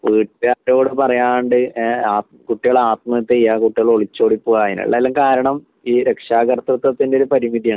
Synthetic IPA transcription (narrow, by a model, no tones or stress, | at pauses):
ʋiːʈaːʈːo̞ːɽɨpɐrɐjaːnɳɖɨaːkuʈːiɣɐɭaːt̪̚mɐɐt̪ːejːaːkuʈːiɣɐɭo̞ɭit͡ɕːo̞ːɽipːuɣaːjinɐ̰ɭːɐlːɐŋkaːɾɐɳɐm | iːɾe̞kʂaːɣɐrt̪ːɐt̪ːɐt̪ːindeo̞ɾupɐɾimid̪ijɐ